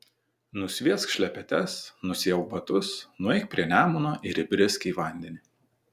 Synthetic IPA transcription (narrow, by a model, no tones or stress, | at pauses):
nʊsʲʋʲiɛskʃʲlʲɛpʲɛt̪ʲɛsnʊsʲɪɛʊbɐt̪ʊsnʊɛɪk̚pʲɾʲiɛnʲæːmʊnoːʔɪɾʲɪbʲɾʲɪsʲkʲiʋɐˑnʲd̪ʲɛnʲɪ